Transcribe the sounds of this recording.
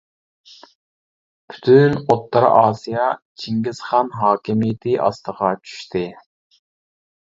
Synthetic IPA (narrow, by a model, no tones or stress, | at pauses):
pʰy̥t̪ʰynot̪ːɑɾ̰ʔɑːsijɑt͡ʃʰiŋɡʲɪsχɑnɦɑːkʲimijɪt̪ʰɪʔɑ̰st̪ʰəʁɑt͡ʃʰy̥ʃt̪ʰɪ